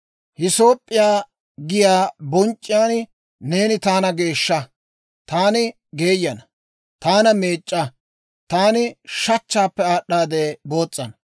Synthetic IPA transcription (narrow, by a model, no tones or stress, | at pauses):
hɪso̞ːpʼːɪjaː | ɡɪjaːbɔnt͡ʃʼːɪjaːn | ne̞ːnɪt̪aːnɐɡe̞ːʃːɐ | t̪aːnɪ | ɡe̞ːjːɐnɐ | t̪aːnɐme̞ːt͡ʃʼːɐ | t̪aːnɪʃɐt͡ʃːaːpːɛaːɗaːd̪e̞ːbo̞ːt͡sʼːɐnɐ